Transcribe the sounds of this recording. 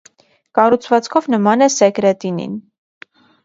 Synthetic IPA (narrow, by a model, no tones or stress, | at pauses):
kɑrut͡sʰvɑt͡skʰɔvnəmɑnɛsɛkɾɛt̪inḭn